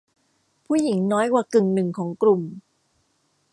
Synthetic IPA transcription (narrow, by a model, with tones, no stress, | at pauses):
pʰuː˥˩ji˩˦ŋnɔː˦˥jwaː˧kɯ˨˩ŋnɯ˨˩ŋkʰɔː˩˦ŋkɾu˨˩m